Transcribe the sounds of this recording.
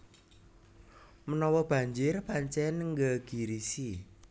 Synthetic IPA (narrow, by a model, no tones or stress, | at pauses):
mənɔwɔb̥ä̤ɲd͡ʒɪrpaɲt͡ʃɛnŋɡəɡ̥i̤ɾisi